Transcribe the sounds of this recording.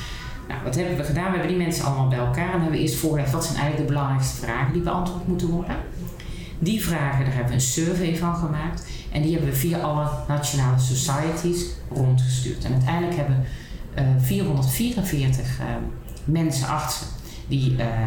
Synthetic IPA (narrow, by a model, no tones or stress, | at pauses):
na̰wʋɑtɦɛbəʋəɣədaːnʋəɦɛbəndimɛnsənʔɑ̰lˠəmaːlˠbɛjɛlˠkaːrɛnʋəɦɛbʋəʔɪ̰ːstfʊːɹɣəlɛxtʋɑtsɛjnʔɛ̰jŋnlək̚dəbəlɑŋrɛjkstə̥vraːɣəndibəɑ̰ntʋoːɹtmutənʋɔɹdə | divraːɣədaːɹɦɛbəʋəənsøɹvejvɑnɣəmaːkt | ʔɛndihɛbənʋəviaʔɑlənat͡ʃjonaːləsosajətʰisrontχəsty̰ːɹtɛ̰nœɥtɛjndləkɦɛbəʋə | viːrɦɔndəɹtfiːrənvɪːɹtəx | mɛnsə̰nʔɑxtsə | di